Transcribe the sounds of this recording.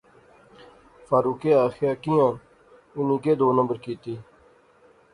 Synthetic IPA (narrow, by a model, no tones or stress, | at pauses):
faːɾuːkeːaːxjaːkɪjãː | ʊniːkeːd̪oːnəmbəɾkiːt̪iː